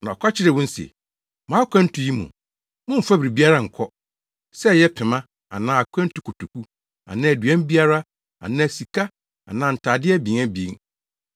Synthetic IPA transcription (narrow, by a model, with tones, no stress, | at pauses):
nã˨ɔ˨kʰʷa˦t͡ɕʰɪ˦ɾɛ˨wʊ̃˦n̩˦sḛ˨ | mãː˨˦kʷʰɛ̃˦n̩˦tʰʊ˨ji˦mṵ̃˨ | mʊ̃˦m̩˨fa˦bɾi˨bi˦a˦ɾa˦˨ŋ̩˨kʰɔ˦ | sɛ˦˨jɛ˦pʰɪ˨mã˦ | a˨nã˨a˨kʰʷɛ̃˦n̩˦tʰʊ˨kʰʊ˨tʰu˨ku˦ | ã̰˨nã˦˨æ˨dɥɛ̃˦m˦bi˦a˦ɾa˦ | a̰˨nãː˦æ˨si˨kʰa˦ | a̰˨nãː˨n̩˨tʰaː˨dɪ˦ɛ˦bĩ˨ŋã˦bi˨˦ŋ